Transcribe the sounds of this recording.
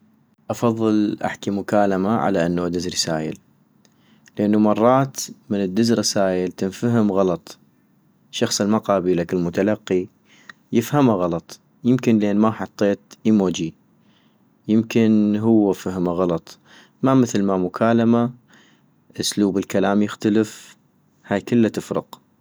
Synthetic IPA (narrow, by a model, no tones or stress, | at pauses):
ʔɑfɑðˤːɨlʔa̰ħkimʊkaːlamaʕa̰laʔanːaad̪ɪzɾˤsaːjɪ̰l | ləʔanːumɑrˤːɑːt̪mɪnəd̪ːɪzɾɪsaːjɪlt̪ɪnfaɦəmɣɑlɑt̪ˤ | ʃɑxsˤɪlmaqɑːbilakɪlmʊt̪alɑqːi | jɪfhamaɣɑlɑt̪ˤ | jɪmkɪnlʔeːnmaħɑt̪ˤːeːt̪ʔimoːd͡ʒi | jɪmkɪnɦʊwːafahmaɣɑlɑt̪ˤ | mamɪθlmamʊkʰaːlama | ʔʊsluːbɪlkalaːmjɪxt̪aləf | haːjkɪlːat̪ɪfɾʊ̰q